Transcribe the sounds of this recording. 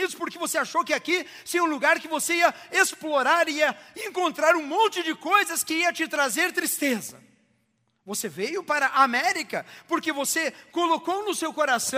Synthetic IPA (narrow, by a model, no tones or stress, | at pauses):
id̪ʊspoɾkɪvoseaʃowkɪakiseũluɡaɾkɪvoseiɐesploɾaɾiɐẽŋkõnt̪ɾaɾũmõnt͡ʃɪd͡ʒɪkojzɐskɪiɐt͡ʃɪt̪ɾazeɾt̪ɾist̪ezɐ̰ | vosevejʊpaɾɐʔaːmɛɾikɐpoɾkevosekolokownʊsewkoɾasɐ̃